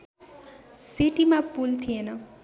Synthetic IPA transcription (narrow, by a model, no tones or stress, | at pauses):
siʈimãpult̪ʰijenʌ